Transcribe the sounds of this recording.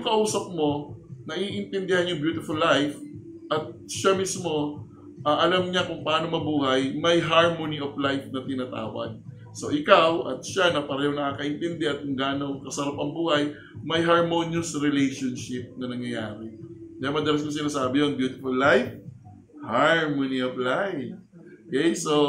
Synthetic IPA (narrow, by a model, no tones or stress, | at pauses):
jʊŋkɐʔuːsɐp̚mo̞nɐʔiʔɪnt̪ɛnd̪ɪhanjʊŋbjuːt̪ɪfʊlːajf | ʔɐt̪̚ʃamismo̞ | ʔɐʔɐlamɲakʊŋpɐʔaːno̞mɐbuːhɐjmɐjɦaɹmoniʔoflajfnɐt̪ɪnaːt̪a̰ːwɐ̰ɡ̚ | soʔɪkawʔɐ̰t̪̚ʃanɐpɐɾɛːhoŋnɐkaːkɐʔɪnt̪ɛnd̪ɛʔɐt̪̚kʊŋɡaːɐnokɐsɐɾapɐŋbuːhɐj | mɐjɦɐɹmoːnjʊsɾɛlɛjʃonʃɪp̚nɐnɐŋjɐjaːɾɛd̪ɐjamɐd̪ɐlɐs̬kos̬ɪnaːsaːbɪjonbjuːt̪ɪfʊlːajf | haɹmonioflajokɛjso